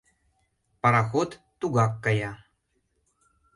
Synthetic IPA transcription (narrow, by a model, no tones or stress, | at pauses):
pɐɾaxot̪ːuɡakːaja